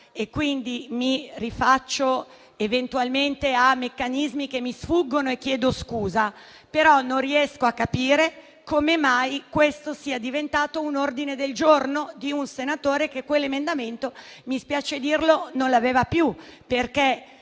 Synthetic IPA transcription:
ekːwind̪imirifat͡ʃːo | event̪ualment̪eamːekːanizmikemːisfuɡːonoekːjɛːd̪oskuːza | peɾɔnõnriɛskoakːapiːɾe | komemajkwest̪osiːad̪ivent̪aːt̪ounord̪ined̪eld͡ʒornod̪iunsenat̪oːɾekekwelːemend̪ament̪omispjaːt͡ʃed̪irlononlaveːvapjuperke

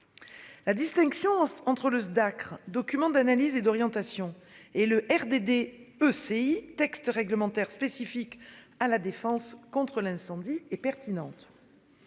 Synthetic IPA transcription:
lad̪ist̪ɛ̃ŋksjɔ̃ɑ̃t̪χələd̪akχd̪ɔkʲymɑ̃d̪analized̪ɔʁjɑ̃t̪asjɔ̃ | eləʔɛʁd̪ed̪eøseit̪ɛkst̪ʁɛɡləmɑ̃t̪ɛʁspesifikalad̪efɑ̃skɔ̃t̪χəlɛ̃sɑ̃d̪iɛpɛʁt̪inɑ̃t̪

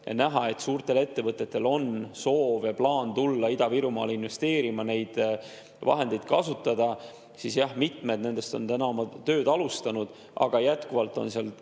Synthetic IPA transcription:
ḛnæɦɑe̞t̪suːrt̪e̞le̞t̪ːe̞vɤt̪ːˑe̞t̪ːe̞lo̞nso̞ːvjɑplɑːnt̪ulːɑid̪ɑviɾumɑ̰ːlinve̞st̪e̞ːɾimɑne̞jd̪̥ | vɑ̰ɦe̞nd̪e̞jd̪̥̚kɑsut̪ːˑɑd̪̥ɑ | sisjɑhmit̪ˑme̞d̪ne̞nd̪̥e̞st̪o̞nt̪ænɑomɑt̪ø̞ːd̪̥ɑlust̪ɑnud̪̥ | ʔɑ̰ɡ̥ɑjæt̪kuvɑlt̪ːˑo̞nseɑl

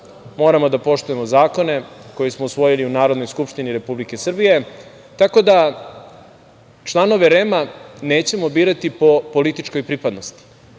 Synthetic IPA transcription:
mo̞ːɾamo̞d̪apo̞ʃt̪uje̞mo̞zaːko̞ne̞ko̞jesmousʋo̞jiliunaːɾod̪nojskupʃt̪iniɾe̞publike̞sr̩bije̞ | t̪ako̞d̪a | t͡ʃlˠano̞ʋe̞ɾe̞mane̞ːt͡ɕe̞mo̞biːɾat̪ipo̞po̞lit̪it͡ʃko̞jpɾipad̪no̞st̪i̥

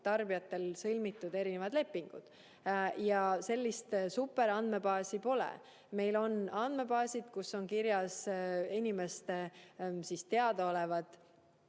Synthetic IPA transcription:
t̪ɑrbijɑt̪ːˑe̞lsɯlʲmit̪ːˑud̪e̞ɾine̞vɑd̪̥le̞pːiŋɡ̥ṵd̪̥ | jɑse̞lʲːist̪supːˑe̞ɾɑnd̪̥me̞pɑːsipo̞lɛ̰ | me̞jlo̞nɑnd̪̥me̞pɑːsʲid̪̥kusːo̞ŋkiɾjɑsinʲime̞st̪esist̪e̞ɑd̪̥ɑo̞levɑd̪̥

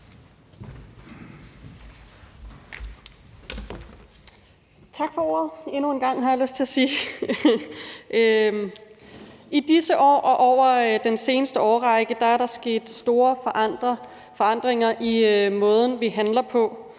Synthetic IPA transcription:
t͡sʰɑ̈ɡ̥fɒ̽o̝ɐ̰ð̞̩ˠe̝nue̝nɡ̥ɑ̈ŋ̰ɦɑ̈jɑ̈løsd̥t͡sʰe̝læsiː | id̥isəʔɒ̰ːʔɒ̽ʔɒʊ̰ɐd̥ense̝ːnəsd̥əɒːʁɑ̈ɪɡ̥əd̥ɑ̈æɐɾɑ̈sɡ̥e̝̰ːd̥sd̥o̝ːɐ̥ | fɒ̽ɑ̈n̰d̥ʁeŋɐʔimɔ̽ːð̞ˠn̩ʋiɦænlɐpʰɒ̽

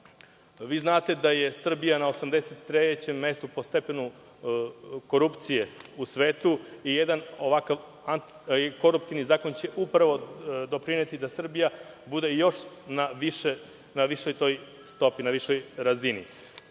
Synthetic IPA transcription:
ʋiːznaːt̪e̞d̪aje̞sr̩bijanaosamd̪eset̪ːɾet͡ɕe̞mːe̞st̪upo̞st̪e̞penu | ko̞ɾupt̪sijeusʋeːt̪uijed̪ano̞ʋakaʋ | ant̪ | ko̞ɾup̚t̪iʋnizaːko̞nt͡ɕe̞ʔupɾaʋo̞d̪o̞pɾinet̪id̪asr̩bija | bud̪e̞jo̞ʃ | naʋiʃe | naʋiʃo̞jt̪o̞j | st̪o̞pinaʋiʃo̞jɾazinḭ

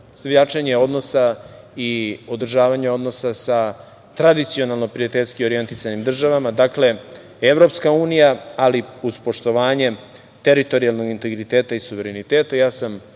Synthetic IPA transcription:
sʋʎat͡ʂeɲeo̞d̪no̞sa | io̞d̪r̩ʒaːʋaɲeo̞d̪no̞sasa | t̪ɾad̪it̪sio̞nalˠno̞pɾijat̪eʎʲskio̞ɾije̞nt̪isanimd̪r̩ʒaʋamad̪akle̞ | eʋɾo̞pskauːnijaaliuz̥po̞ʃt̪o̞ʋaːɲe̞ | t̪eɾit̪o̞ɾijalˠno̞ɡint̪e̞ɡɾit̪eːt̪aisuʋeɾenit̪eːt̪ajaːsam

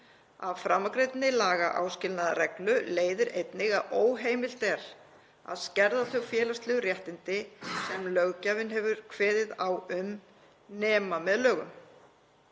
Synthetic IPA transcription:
a̰vfɾamːakɾejt̪nɪlaːɣaʔa̰wscɪlnaðrɛklʏleːjðɪɾejt̪nɪɣaðoːwɦeːjmɪl̥t̪ɛɾ̥ | a̰ðscɛɾðaθœɣfjɛːlast̪lɛɣʏrjɛht̪ɪnt̪ɪsɛmlœɣcavɪnɦɛvʏɾ̥kʰvɛːðɪðawʏm | nɛːmamɛðlœːɣʏm

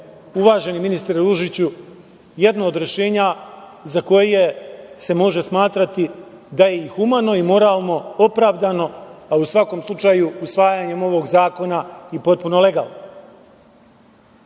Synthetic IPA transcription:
uʋaːʒe̞niminist̪ɾeɾuʒit͡ɕu | je̞d̪nood̪ɾeʃe̞ːɲa | zako̞jjese̞mo̞ʒe̞smaːt̪ɾat̪i | d̪aje̞ixumano̞imo̞ɾaːlˠno̞o̞pɾaːʋd̪ano̞ausʋako̞mslˠut͡ʃajuusʋaːjaɲe̞mo̞ʋo̞ːɡzaːko̞naipo̞t̪̚puno̞le̞ɡa̰ːlˠno

